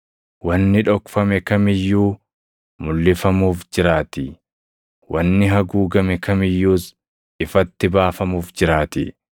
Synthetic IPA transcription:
wɐnːɪᶑɔkfɐmɛkɐmɪjːuː | mʊlːɪfɐmuːfd͡ʒɪɾaːt̪i | wʔɐnːɪɦɐɡuːɡɐmɛkɐmɪjːuːs | ɪfɐt̪ːɪbaːfɐmuːfd͡ʒɪɾaːt̪ḭ

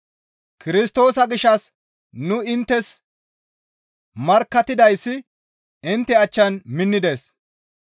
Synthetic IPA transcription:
kɪɾɪst̪o̞ːsɐɡɪʃːɐs | nʊɪnt̪ːɛs | mɐɾkːɐt̪ɪd̪ɐjsːɪ | ɪnt̪ːɛɐt͡ʃːɐnmɪnːɪd̪e̞ːs

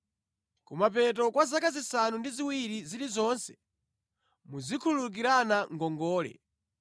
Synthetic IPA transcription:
kumapɛt̬ɔkwazakazisanundiziwiɾiziɾizɔnsɛ | muzikʰuuluk̬iɾanaŋɡɔŋɡɔːlɛ̰

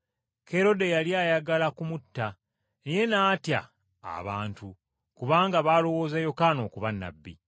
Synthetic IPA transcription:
ke̞ɾo̞de̞jaljaːjaɡalakumutːa | neje̞naːtja̰ː | βa̰ːntu | kuβaːŋɡaβaːlo̞wo̞ːzajo̞kano̞ːkuβanːa̰bːḭ

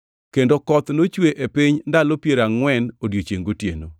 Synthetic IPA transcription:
kendokɔt̪not͡ʃweʔepɪɲndalopjeɾaŋwɛnodjot͡ʃeŋɡotjḛno

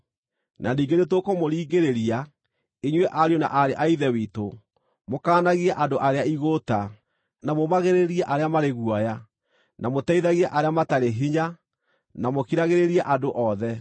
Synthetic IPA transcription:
naniːŋɡenetokɔmoɾiːɡeɾeɾia | iɲwɛʔaɾjona̰ʔaɾeʔaiðɛwiːto | mokaːnaɣiaʔandoʔaɾeaiɣota | namomaɣeɾeɾiɛʔaɾeamaɾeɣuɔja | namotɛiðaɣiaʔaɾeamataɾeɦiɲa | namokiɾaɣeɾeɾiɛʔadoʔɔðɛ

